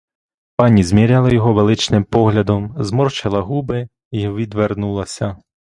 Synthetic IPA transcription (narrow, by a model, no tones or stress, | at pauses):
panʲizʲmʲiɾʲalˠɐjɔɦɔʋelˠɪt͡ʃnɪmpɔɣlʲɐd̪ɔmzmɔrt͡ʃɐlˠɐɦubɪ | iʋʲid̪ʋernulˠɐsʲɐ